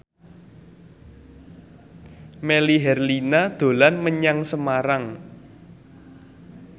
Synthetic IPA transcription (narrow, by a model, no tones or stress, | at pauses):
meliɦɛrlinad̪̥o̤lanməɲaŋsəmaɾaŋ